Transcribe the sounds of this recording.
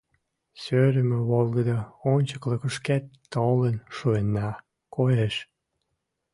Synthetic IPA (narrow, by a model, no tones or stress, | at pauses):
søɾəmeβolɡəd̪əonʲt͡ɕəkləkəʃkæt̪ːolənʃuenːɑ | kojeʃ